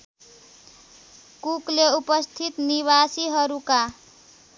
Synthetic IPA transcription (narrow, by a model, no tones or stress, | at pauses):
kukleupʌst̪ʰit̪niβasiɦʌɾuka